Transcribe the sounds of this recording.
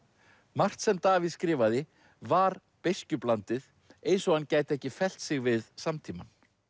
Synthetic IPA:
mar̥t̪sɛmt̪aːvɪskɾɪːvaðɪ | vaɾ | pejscʏplant̪ɪð | ejnsɔɣancaːjt̪ɛhcɪfɛl̥t̪sɪɣvɪðsamt̪ʰiːman

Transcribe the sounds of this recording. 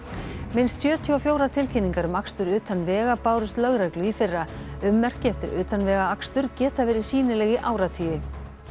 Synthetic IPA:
mɪnst̪sjœːt̪ʰyɔfjoːwɾat̪ʰɪlcʰɪnːiŋkaɾʏmakst̪ʏɾʏːt̪anvɛːɣapaːwɾʏst̪lœɣɾaklʏifɪrːaʏmːɛr̥cɪɛft̪ɪɾʏːt̪anvɛːɣaakst̪ʏɾcɛːt̪avɛːɾɪ̥siːnɪlɛːɣɪʔaːwɾat̪ʰyːjɪ

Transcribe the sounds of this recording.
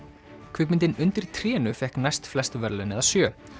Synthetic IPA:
kʰvʏːpmɪnt̪ɪnʏnt̪ɪɾt̪ʰɾɛːnʏfɛhknajst̪flɛst̪ʏvɛɾlɛʏnɛ̰ðasjœː

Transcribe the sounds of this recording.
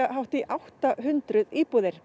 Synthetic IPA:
aɦawht̪iʔawht̪aɦʏnt̪ɾʏðiːpuːðɪɾ̥

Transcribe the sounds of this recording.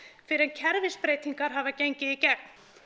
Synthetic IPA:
fɪɾɪɛncʰɛɾvɪspɾeːjt̪iŋkaɾ̥ɦavaceɲcɪicɛk̚n̥

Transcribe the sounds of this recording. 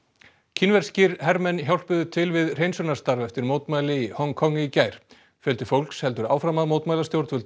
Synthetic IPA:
cʰinvɛɾ̥scɪɾɦɛɾmɛnçawl̥pʏðʏt̪ʰɪlvɪðr̥ejnsʏnast̪aɾvɛft̪ɪɾmoːwt̪maːjlɪihɔŋkʰɔŋːɪicaːjɾ̥ | fjœlt̪ɪfowl̥kshɛlt̪ʏɾaːwfɾamaðmoːwt̪majlast̪jowɾt̪vʏlt̪

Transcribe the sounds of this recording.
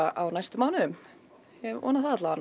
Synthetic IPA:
aʔawnajst̪ʏmawnʏʏm | ɛvɔ̰naθaðat̪laan

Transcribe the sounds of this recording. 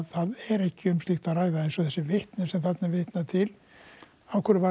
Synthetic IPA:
ðθaðɛɾɛhcɪʏmslɪxt̪araːɣðaensɔθɛsːɪvɪht̪nɪsɛmθat̪navɪht̪nat̪ʰɪl | awkʰɛɾʏva

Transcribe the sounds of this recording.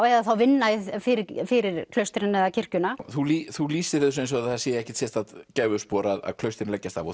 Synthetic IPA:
ɛðaθawvɪnːafɪɾɪfɪɾɪɾ̥kʰlœɥst̪ɪɾɪnɛðacʰɪr̥cʏnaθuliθuliːsɪɾɪðs̬ẽns̬ɔθasɛjɪɛhcɛ̥t̪sjɛɾt̪aðcaːvʏspɔːɾaða̰ðkʰlœɥst̪ɪɾnlɛcːast̪θa̰vɔ

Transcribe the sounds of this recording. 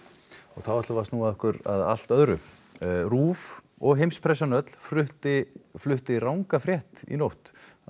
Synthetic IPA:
ɔ̰ɣθawvaht̪lʏvaɾst̪nuaðɔhkʏɾa̰ða̰l̥t̪œðɾʏ | ruːv | ɔɣɦejmspʰɾɛsːanœt̪l̥fɾʏht̪ɪflʏht̪ɪrawŋkafɾjɛht̪ḭnowht̪

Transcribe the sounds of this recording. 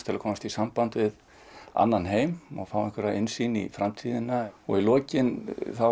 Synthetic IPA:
t̪ʰɪlakʰɔːmast̪isampant̪vɪð | a̰nːanɦeːjmɔ̰fawɪhkʰvɛɾaɪnsinḭfɾamt̪ʰiːðɪnaɔ̰ɣilɔːcɪnθa

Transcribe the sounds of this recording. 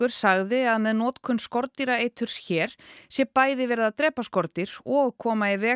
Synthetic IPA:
ʏɾ̥saɣðɪaðmɛðnɔːt̪kʰʏnskɔɾt̪iɾaeːjt̪ʰʏɾ̥sçɛːɾ̥sjɛpaːjðɪvɛːɾɪðaðt̪ɾɛːpaskɔɾt̪ɪɾ̥ɔɣkʰɔːmaɪvɛː

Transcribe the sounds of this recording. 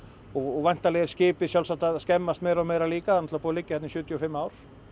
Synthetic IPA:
ɔɣɔɣvajn̥t̪alɛɣɛɾ̥scɪːpɪsjalsat̪aðskɛmːast̪mɛjɾɔmɛjɾaliːkaanɔt̪lvapuːalɪcːɪhɛt̪nɪsjʏːt̪jɔfɪmːaːwɾ̥

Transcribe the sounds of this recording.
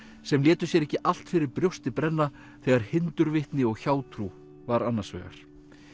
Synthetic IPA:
sɛmlɛːt̪ʏsjɛɾɛhcːɪʔal̥t̪fɪɾɪɾpɾjowst̪ɪpɾɛnːa | θɛɣaɾ̥hɪnt̪ʏɾvɪht̪nɪɔɣçaːwt̪ʰɾu | vaɾanːḁsvɛ̰ːɣa̰ɾ̥

